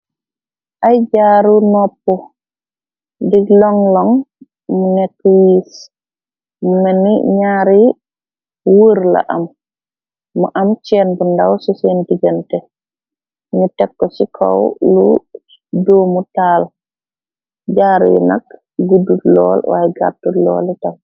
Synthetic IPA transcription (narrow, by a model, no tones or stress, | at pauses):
ʔajd͡ʒaːɾunɔpːɔ | diɡlɔŋlɔŋ | munɛkːjis | munɛniɲaːɾi | wuɾla̰ʔamː | uʔamt͡ʃɛnbundawsusendiɡantɛ | nutɛkːɔsikʰɔ̰wlu | doːmutaːl | d͡ʒaːɾṵjɛ̰na̰k | ɡudulɔlwa̰jɡa̰tulɔ̰ːlita